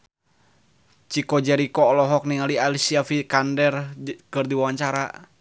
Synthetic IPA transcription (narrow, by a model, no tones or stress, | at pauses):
t͡ʃikɔd͡ʒɛɾikɔːlɔɦɔk̚niŋalialisiafikandɛrkɨrdiwawaɲt͡ʃaɾa